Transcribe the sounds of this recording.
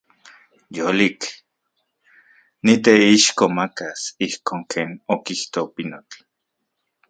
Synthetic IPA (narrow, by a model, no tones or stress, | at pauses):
jolik | nit̪eiʃkomakasihkʰoːŋkʰeːnokiht̪opinot͡ɬ